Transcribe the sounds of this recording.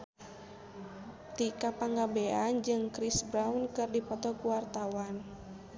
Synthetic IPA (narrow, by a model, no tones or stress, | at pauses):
t̪ikapaŋɡabɛand͡ʒɨŋkɾisbɾaunkɨrdipɔt̪ɔkuwart̪awan